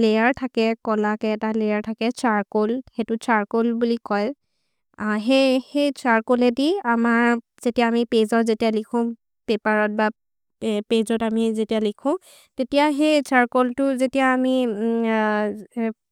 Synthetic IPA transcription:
lejaɹtʰakɛkɔlakɛːtalejaɹtʰakɛt͡ʃaɹkolxetʊt͡ʃaɹkolbulikɔj | ɦehejsaɹkolɛdiamaɹ | zetijaːmipezɔtzetijalikʰʊ̃ | pɛpaɹɔt̚ba | pezɔtamizetijalikʰʊ̃ | tetijaxejt͡ʃaɹkoltʊzetijaːmi

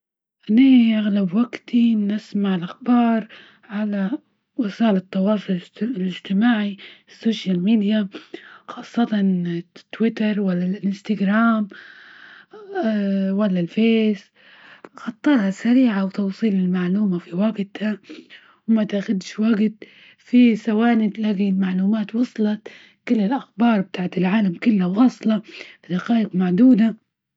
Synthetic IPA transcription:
ʔanaʔaɣlabwaɡt̪ʰinɪsmaʕɪlʔaxbɑːɾˤ | ʕala | wɪsaːlɪt̪ːɑwɑːsˤʊllɪd͡ʒt̪ɪmaːʕisːoːʃjalmiːd̪jaxɑːsˤːɑt̪ɑnt̪ːwɪt̪ɑɾˤwalːalːalɪnst̪aɡɾaːm | walːalfeːs | xɑt̪ˤːɑɾˤhasaɾiːʕawt̪ɑwsˤiːlɪlmaʕluːmafiwaɡt̪ha | wmat̪ʔaxʊd̪ʃwaɡt̪ | fisawaːnɪt̪laɡilmaʕluːmaːt̪wɑsˤlɑ | kɪlːɪlʔaxbɑːɾˤb̚t̪aːʕt̪ɪlʕaːlamkʊlːhawɑːsˤlɑfid̪aqɑːʔɪqmaʕd̪uːd̪a

